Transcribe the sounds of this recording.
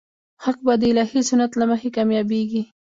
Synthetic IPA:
xaq̚bad̪əɪlɑhisunat̪laməxekɑmjɑbeɡi

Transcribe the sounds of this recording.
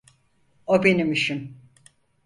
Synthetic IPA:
obenimiʃim

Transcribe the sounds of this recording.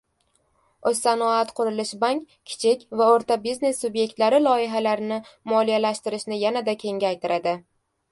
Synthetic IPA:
osːanɒat̪qʰʊɾɪlɪʃbaŋkʲ | kʲʰːɪ̥t͡ʃʰɪkʲvaoɾt̪ʰabizne̞sːubje̞k̚ʲt̪laɾɪlˠɒɪɦalaɾɪnɪmɒlˠijalaʃt̪ɪɾɪʃnɪjanad̪akʲʰe̞ŋɡʲaːjt̪ʰɪɾʔad̪ɪ

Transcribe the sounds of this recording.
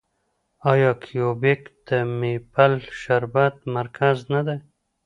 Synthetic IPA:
ɑjɑkʰijobekd̪̥əmepalʃaɾbat̪̚maɾkʰaznad̪a

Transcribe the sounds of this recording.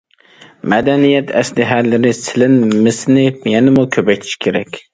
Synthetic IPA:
mæd̪ænijɛt̪ʰæ̰slɪɦæɾlːɪɾɪsɪlɪnmɪsnɪjɛnɪmukʲʰøpɛjt̪ʰɪ̥ʃkʲʰeɾɛkʲ

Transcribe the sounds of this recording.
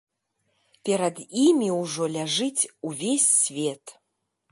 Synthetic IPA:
pʲeɾɐd̪imʲiuʐolʲaʐɨt͡sʲuvʲesʲːvʲet̪ʰʼ

